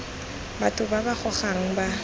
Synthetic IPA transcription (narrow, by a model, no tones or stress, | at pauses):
batʰʊbabaχʰɔχaŋ̩ba